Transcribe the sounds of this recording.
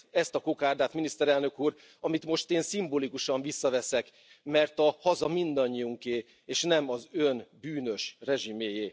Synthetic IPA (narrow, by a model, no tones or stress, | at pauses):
ɛst̪ɒkoːkaːrd̪aːt̪minist̪ɛɾɛlnø̞kuːr | ɒmit̪mo̞ʃt̪eːnsimboːlikuʃɒɱvisːɒvɛsɛk | mɛrt̪ɒhɒzɒmind̪ɒɲːiuŋkeː | eːʃnɛmɒzønbyːnø̞ʃrɛʒimeːjeː